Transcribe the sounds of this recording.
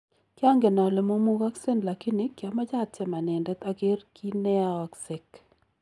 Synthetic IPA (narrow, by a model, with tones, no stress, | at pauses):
kja˦ŋɡe˨na˨lɛ˨mo˦mu˦ɡa˦ksɛ˦nla˨kɪ˦nɪ˦kja˨ma˦d͡ʒa˦˨tɛ˦ma˨nɛ˨ndɛ˦t̪a˦ɡe˦rki˦nɛ˦a˦a˨kse˨k